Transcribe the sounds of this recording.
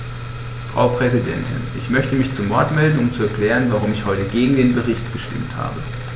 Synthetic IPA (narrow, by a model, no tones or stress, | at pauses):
fʁ̥a̰ʊpʁ̥ɛzidɛ̰ntʰɪ̰nʔɪçmœçtəmɪçt͡sumɔɐtmɛldn̩ʊmt͡suɛɐkl̥ɛːʁənvaʁ̞ʊmɪçhɔʏtəɡeːɡŋ̩deːnbəʁ̞ɪçtɡ̥əʃtɪ̰mtha̰ːbə